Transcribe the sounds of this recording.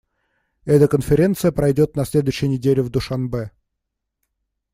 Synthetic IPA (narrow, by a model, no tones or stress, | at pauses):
ɛt̪əkənfʲɪɾʲe̞nt̪sɨjəpɾɐjdʲo̞t̪̚nɐsʲlʲe̞d̪ʊjɕːɪjənʲɪdʲelʲɪvd̪ʊʂanbɛ